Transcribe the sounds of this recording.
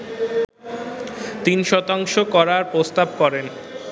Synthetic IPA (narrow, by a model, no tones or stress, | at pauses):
t̪inʃɔt̪aŋʃokɔɾaɾpɾost̪ab̚kɔɾen